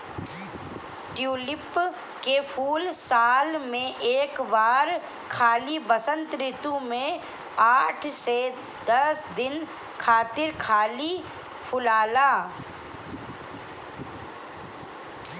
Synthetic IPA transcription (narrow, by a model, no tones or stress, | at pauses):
ʈjuːlɪp | kepʰuːlsaːlmẽʔeːkbaːɾ | kʰaːlibəsə̃nt̪ɾɪt̪ũmẽ | aːʈʰse | d̪ɐsd̪ɪn | kʰaːt̪ɪɾkʰaːli | pʰʊlaːlaː